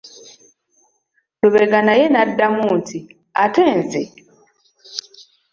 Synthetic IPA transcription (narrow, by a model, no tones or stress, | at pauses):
luβeɡanajenadːamuːntʰi | ateːnze